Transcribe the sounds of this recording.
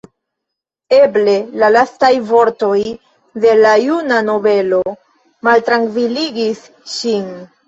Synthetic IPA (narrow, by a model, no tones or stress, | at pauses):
e̞ble̞lalastajvo̞ɾto̞j | de̞lajunano̞ve̞lo̞ | maltɾaŋkviliɡis | ʃin